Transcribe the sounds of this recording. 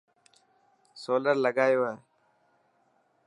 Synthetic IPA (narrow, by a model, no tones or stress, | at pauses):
soːləɾləɡaːjoːwaː